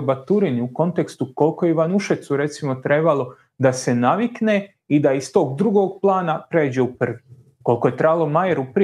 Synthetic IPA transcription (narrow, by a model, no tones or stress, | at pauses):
bat̪uɾiniuko̞nt̪e̞kst̪uko̞lko̞jeiʋanuʃet̪suɾe̞t̪simo̞t̪ɾe̞balˠo̞ | d̪ase̞naʋikne | id̪aist̪o̞ːɡd̪ɾuɡo̞ːɡ̚plˠaːnapɾe̞ːd͡ʑe̞upr̩ʋi | ko̞lkoje̞t̪ɾabalˠomajeɾupɾ